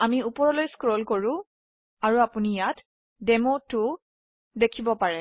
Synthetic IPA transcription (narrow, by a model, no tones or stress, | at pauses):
amiupɔɹɔlojskɹɔlkoɹʊ̃ | aɹuapunijat | dɛmotʊ | dekʰibɔpaɹɛ